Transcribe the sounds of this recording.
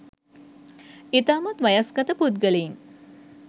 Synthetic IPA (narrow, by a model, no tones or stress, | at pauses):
it̪aːmat̪ʋajasɡɐt̪əput̪̚ɡəlein